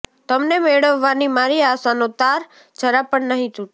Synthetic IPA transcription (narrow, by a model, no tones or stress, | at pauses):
t̪əmnemeɭəʋːanimaɾiasanot̪aɾ | d͡ʒəɾapəɳnəɦĩt̪ũ